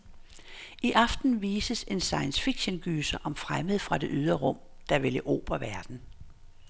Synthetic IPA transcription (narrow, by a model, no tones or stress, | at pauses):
iʔɑ̈fd̥n̩ʋiːsəse̝nsɑ̈ɪənsfiɡ̥ɕənɡ̥yːsəʔɒ̽mfʁaməð̩ˠfʁɑ̈d̥e̝ʔyð̞ˠʁɐʁɔ̽m̰ | d̥ɑ̈ʋe̝ləʔo̰ːb̥ɐʋæɐd̥n̩